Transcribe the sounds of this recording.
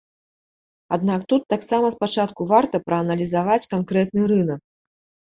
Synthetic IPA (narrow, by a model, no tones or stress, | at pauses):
ad̪nakt̪ut̪ːaksamɐspat͡ʂat̪kuvart̪ɐpɾɐːnɐlʲizavat͡sʲkankɾɛt̪̚nɨɾɨnɐk̚